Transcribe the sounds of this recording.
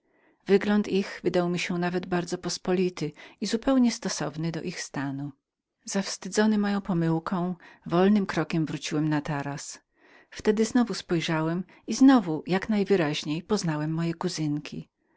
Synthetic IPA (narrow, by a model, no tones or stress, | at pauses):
vɘɡlɔnt̪iɣvɘd̪awmʲiɕɛnavɛd̪baɾd̪zɔpɔspɔlʲit̪ɘizupɛwɲɛst̪ɔsɔvnɘd̪ɔ̰ʔixst̪anu | z̥afst̪ɘd̪zɔnɘmɔjɔ̃w̃pɔmɘwkʰɔ̃w̃vɔlnɘmkɾɔkʲɛmvɾut͡ɕiwɛmnat̪aɾas | ft̪ɛd̪ɘznɔvuspɔjʐawɛm | iznɔvujaknajvɘɾaʑɲejpɔznawɛmːɔjɛkuzɘŋkʲi